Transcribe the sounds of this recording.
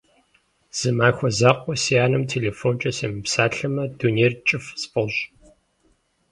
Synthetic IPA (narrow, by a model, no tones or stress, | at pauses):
z̥ɨmaːxʷɔzaːqʷʼɔsijaːnɨmtʰeːleːfont͡ʃʼɐseːmɨpsaːɬɐmɐduneːrt͡ʃʼɪfspʼɐɕ